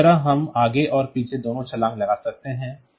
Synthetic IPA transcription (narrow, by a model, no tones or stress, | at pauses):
ɐɾaɦɐmaːɡeʔɔːɾpiːt͡ʃʰed̪oːnõt͡ʃʰɐlãːŋklɐɡaːsɐk̚t̪eɦɛ̃ː